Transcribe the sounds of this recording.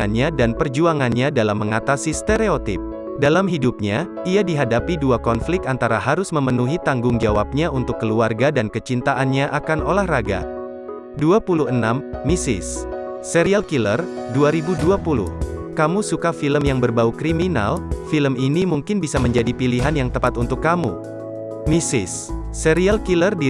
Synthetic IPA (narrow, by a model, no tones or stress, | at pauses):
anɲadanpərd͡ʒuaŋanɲadalamːəŋat̪asist̪eɾeot̪ɪ̰p̚ | dalamɦidup̚ɲa | iadiɦadapiduakɔnflɪk̚t̪ant̪aɾaɦaɾʊsməmənuɦit̪aŋɡʊŋd͡ʒawap̚ɲaunt̪ʊkːəluarɡadankət͡ʃint̪aʔanɲaʔakanʔolahraɡa̰ | duapuluhənamːisɪ̰sː | eɾialkilərduaɾibuduapulʊ̰hkamusukafiləmjaŋbərbaukɾimina̰lfiləminimuŋkɪnbisaməɲd͡ʒadipiliɦanjaŋt̪əpat̪unt̪ʊkːamṵ | misɪsː | əɾialkilərdi